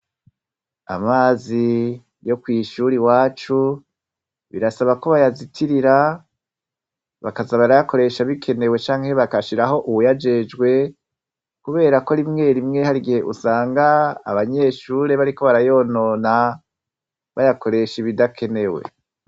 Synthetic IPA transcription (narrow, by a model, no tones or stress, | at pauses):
a̰maːzi | jo̞kwiʃuɾiwaːt͡ʃu | βḭɾasaβako̞βajazitʰiɾiɾa | βakazaβaɾajako̞ɾe̞ʃaβikʰe̞ne̞we̞t͡ʃaːŋhe̞βakaʃiɾaɦo̞ʔuwujad͡ʒe̞d͡ʒɡwe̞ | kuβe̞ːɾako̞ɾimŋe̞ːɾimŋe̞haɾiɡihe̞ʔusaːŋɡa̰ːβaɲe̞ːʃuːɾe̞βaɾiko̞βaɾajo̞ːno̞ːna | βajakʰo̞ɾe̞ʃiβidakʰe̞ne̞we̞̰